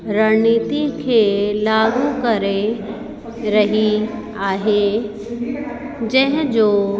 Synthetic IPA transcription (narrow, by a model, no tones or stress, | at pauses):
ɾəniːt̪ikʰeːlaːɡukɐɾe | ɾɐɦi | aːɦe | d͡ʑɐ̃ɦɪ̃d͡ʑoː